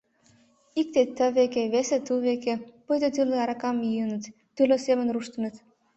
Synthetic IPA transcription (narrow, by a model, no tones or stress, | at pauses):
ik̚t̪et̪ːəβekeβeset̪uβekepujd̪ət̪ɯləɑɾɑkɑmjijənə̆t̪ːyləsemənruʃt̪ə̆nə̆t̪